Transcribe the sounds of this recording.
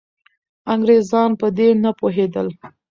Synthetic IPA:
aŋɡɾezɑnpəd̪enapoɦed̪əl

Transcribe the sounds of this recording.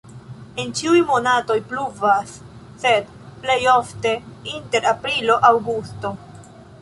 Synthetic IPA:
ent͡ʃiujmo̞nato̞jpluvasː | e̞d | ple̞jo̞fte̞inte̞ɾapɾilo̞ʔawɡusto̞

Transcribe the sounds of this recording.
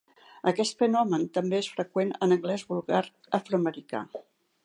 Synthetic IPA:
əkɛst̪fənɔmənt̪əmbeesfɾəkwenə̰nəŋɡlɛzβulˠɣaɾ | əfɾoəməɾika̰

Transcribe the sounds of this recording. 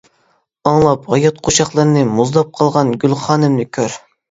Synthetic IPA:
ɑŋlˠɑpʁɑjɑt̪̚qʰoʃɑχlˠɨɾnɪmuzd̪ˠɑp̚qʰɑlˠʁɑnɡʲylˠχɑːnɪmnɨkʲʰøɾ

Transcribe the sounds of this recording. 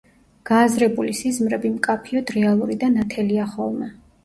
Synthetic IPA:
ɡ̥aːzɾɛbulisizmɾɛbimkʼapʰiɔd̪ɾɛalˠuɾid̪anat̪ʰɛliaχɔlˠmɛ

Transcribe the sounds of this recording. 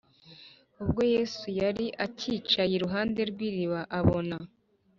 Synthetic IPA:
ub̚ɡo̞je̞ːsujaɾiʔaciːt͡ʃajiɾuɦaːnde̞ɾɡwiːɾiβaʔaβo̞na

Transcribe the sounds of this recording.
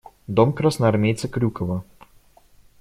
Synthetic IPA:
d̪ɔmkɾasnɐɐɾmʲejt̪sʲɛkɾʲukɔvɐ

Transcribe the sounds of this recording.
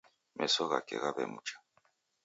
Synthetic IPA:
mʔesoɣakḛɣaβḛmut͡ʃḁ

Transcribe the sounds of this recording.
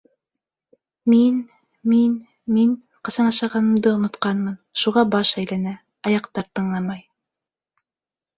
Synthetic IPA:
min | min | min | qɤ̆sɑnɑʃɑʁɑnɤ̆md̪ɤŏnŏt̪qɑnmɤnʃuʁɑbɑʃæjlænæ | ɑjɑqt̪ɑɾt̪ɤ̆ɴlˠɑmɑj

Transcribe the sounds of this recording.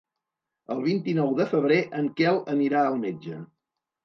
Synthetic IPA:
əlˠβint̪inɔwðəfəβ̞ɾeʔəŋkɛlˠəniɾaəlˠmed͡ʒə

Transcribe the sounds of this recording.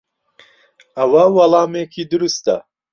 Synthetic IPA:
ɐwɐwɐlˠɑːmekʰid̪ɨɾust̪ɐ̰

